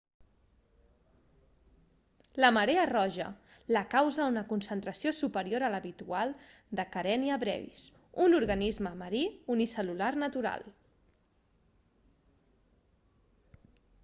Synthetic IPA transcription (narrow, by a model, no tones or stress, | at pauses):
ləməɾeərɔʒə̰ | ləkawzəunəkunsənt̪ɾəsiosupəɾioɾələβit̪ualˠ | d̪əkəɾɛniəβɾɛ̰βḭs | unuɾɣənizməməɾiunisəlularnət̪uɾa̰lˠ